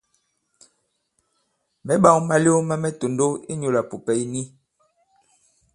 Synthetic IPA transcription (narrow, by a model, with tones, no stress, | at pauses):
mɛ˦ɓa˦ŋma˦li˦o˦ma˦mɛ˦to˨ndo˦i˦ɲo˨la˨po˨pɛ˨˦jni˦